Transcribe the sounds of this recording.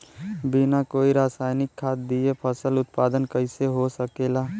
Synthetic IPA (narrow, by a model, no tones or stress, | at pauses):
binakoːiɾaːsaːɪnɪkʰːaːt̪̚d̪iepʰəsəlʊt̪paːd̪ənkəɪseɦosəkeːlaː